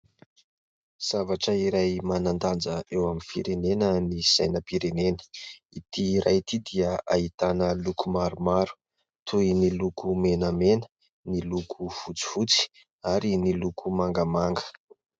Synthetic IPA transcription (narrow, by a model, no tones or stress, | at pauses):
z̥avaʈ͡ʂəiɾajmanand̪and͡zəewaminfiɾenenəniz̥ajnəpiɾenenə̥ | it̪iːɾajt̪id̪iəʔait̪anəlukʰumaɾumaɾu̥ | t̪ʰuinilukumenəmenə̥ | nilukʰufut͡si̥fut͡si̥ | aɾinilukʰumaŋɡəmaŋɡə̥